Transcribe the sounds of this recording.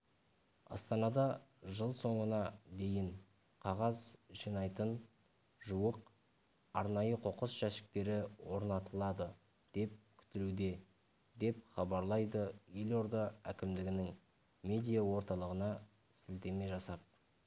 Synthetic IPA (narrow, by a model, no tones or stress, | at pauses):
ɑ̰st̪ɑnɑd̪ɑʒəlˠso̞ɴənɑd̪e̞jɪɴ | qʰɑʁɑzʒijnɑjt̪ən | ʒuwəq | ɑɾnɑjəqʰo̞qəsʒ̥æsɪ̥k̚t̪e̞ɾɪwo̞ɾnɑt̪əlˠɑd̪ə | d̪̥e̞p̚kʲʰʏ̥t̪ɪlud̪e̞ | d̪e̞p̚χɑbɑɾlˠɑjd̪əeloɾd̪ɑækʲɪmd̪ɪɡʲɪnɪŋ | mʲe̞d̪ijawo̞ɾt̪ɑlˠəʁənɑ | sɪlt̪e̞me̞ʒɑsɑp̚